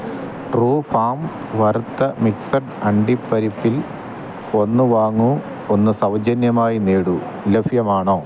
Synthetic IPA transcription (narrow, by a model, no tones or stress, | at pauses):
ʈruːfaːm | ʋɐrt̪ːɐmiksɐʈɐɳɖipːɐɾipːil | o̞nːuʋaːŋːu | onːɨsɐwd͡ʑɐnjɐmaːjineːɽu | lefjɐmaːɳoː